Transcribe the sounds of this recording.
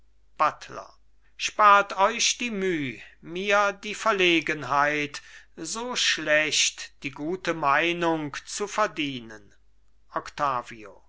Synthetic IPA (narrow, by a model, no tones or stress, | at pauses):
b̥atʰlɐ̰ | ʃpaːɐtɔʏɕd̥iːmyːmiːɐdiːfɛɐleːɡənɦaɪtzoːʃlɛɕtd̥iːɡuːtəmaɪnʊŋkt͡sufɛɐdiːnən | ʔɔktaːvio̰